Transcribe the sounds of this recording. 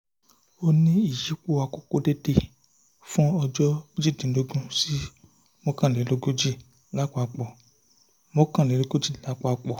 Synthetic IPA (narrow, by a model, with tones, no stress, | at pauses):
o˧nĩ˦i˦˨ʃi˨˦k͡po˦˨a˧ko˨ko˧de˦de˧ | fũ˦ɔ˧d͡ʒɔ˦d͡ʒi˦˨dĩ˨˦lo˧ɡũ˦si˦ | mõ˦kã˦˨le˨˦lo˧ɡo˦d͡ʒi˦˨ | la˦k͡pɔ˦a˧k͡pɔ˨ | mo˦kã˦˨le˨˦lo˧ɡo˦d͡ʒi˦˨la˨˦k͡pɔ˧a˧k͡pɔ˨